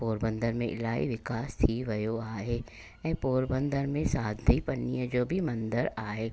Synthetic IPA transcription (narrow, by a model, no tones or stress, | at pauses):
poːɾbə̃nd̪ʱəɾmḛ̃ʔɪ̰laːḭʋɪkaːst̪ʰiʋɐjoaːeː | ɛ̃poːɾbə̃nd̪ʱəɾmẽsaːd̪ʱipɐnijə̃d͡ʒoːbʱimɐ̃nd̪əɾaːeː